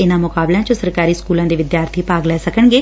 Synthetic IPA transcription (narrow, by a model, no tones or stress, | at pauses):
ɪnãːmʊkaːblãːt͡ʃõːsəɾkaːɾiːskuːlãːd̪eːʋɪd̪jaːɾt̪ʰiːpaːɡlɛːsəkəɳɡeː